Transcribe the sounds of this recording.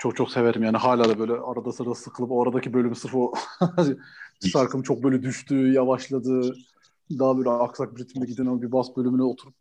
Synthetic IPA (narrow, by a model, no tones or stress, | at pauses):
t͡ʃʰo̞kt͡ʃʰo̞kse̞ve̞ɾimjaːniɦaːlʲaːd̪abø̞jlʲɛaɾad̪asɯɾad̪asɯkʰɯlˠɯpo̞aɾad̪acʰibø̞lʲymsɯɾfo̞aʃaɾkʰɯmt͡ʃʰo̞k̚bøːlʲɛd̪yʃt̪ʰyːjavaʃlˠad̪ɯː | d̪abø̞ːlʲɛaksak̚biɾit̪ʰmid̪ɛɟid̪inamabibasbø̞lʲymynɛot̪ʰuɾup̚